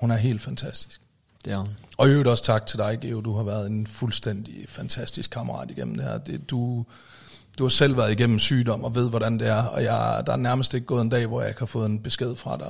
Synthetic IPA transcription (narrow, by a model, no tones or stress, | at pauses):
hunæɐɦe̝̰ːld̥fænt͡sʰæsd̥i̥sɡ̥̚ | ɒ̽øːʊɾɒ̽st͡sʰɑ̈ɡ̥̚t͡sʰe̝ld̥ɑ̈ɪɡ̥ed̥uhɑ̈ʋæːɐð̞̩ˠe̝nfulsd̥en̰d̥ifænt͡sʰæsd̥isɡ̥kʰɑ̈məɐʁɑ̰̈ːd̥iɡ̥em̰m̩d̥e̝hæ̰ɐ̰d̥ed̥u | d̥uhɑ̈sel̰ʋæɐð̞̩ˠiɡ̥en̰m̩syːd̥ɒ̽m̰ɒ̽ʋe̝ð̞̰ˠʋɒɾænd̥e̝æɐɒ̽jɑd̥ɑ̈æɐnæɐməsd̥e̝ɡ̥̚ɡɔ̽ːðˠend̥ɛ̰ːʋɒjɑɪɡ̥hɑ̈fɔ̽ːð̞̩ˠenb̥e̝sɡ̥e̝ð̞̰ˠfʁɑ̈d̥ɑ